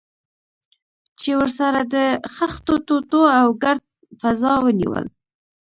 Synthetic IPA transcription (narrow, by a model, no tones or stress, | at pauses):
t͡ʃewəɾsaɾad̪əxaxt̪ot̪ot̪oawɡaɾd̪̚ | fazɑwənḭwə̰l